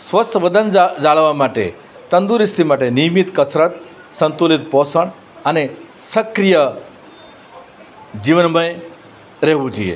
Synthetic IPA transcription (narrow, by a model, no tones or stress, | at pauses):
sʋəst̪ʰʋəd̪ənd͡ʒaɭʋamaʈḛ | t̪ənd̪uɾist̪ʰimaʈenijmit̪kəsɾət̪ | sənt̪ulit̪pɔsəɳ | əne | səkɾijə | d͡ʒiʋənməj | ɾɛɦʋũd͡ʒuijḛ